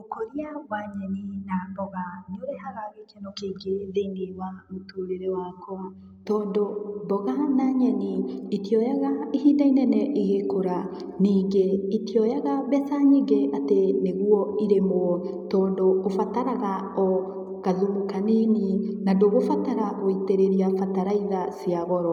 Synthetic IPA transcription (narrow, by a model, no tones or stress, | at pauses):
okoɾiawaɲɛninabɔɣaneoɾeɦaɾaɾekɛnɔkeːɡeðenewamotoɾeɾewakɔ | tɔːndobɔɣanaɲɛniitijɔjaɣaiɦiːdainɛnɛʔiɣekoɾa | niːɡeitijɔjɛɣaβɛsaɲiɡeʔateneɣuɔiɾemoɔtɔːndoofataɾaɣaɔ | ɣaðumukaneninandoɣofataɾaɣoiteɾeɾiafataɾaiðasiaɣɔɾɔ